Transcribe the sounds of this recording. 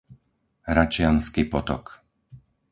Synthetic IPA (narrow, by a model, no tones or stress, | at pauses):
ɦɾat͡ʃɪanskiːpɔt̪ɔ̰k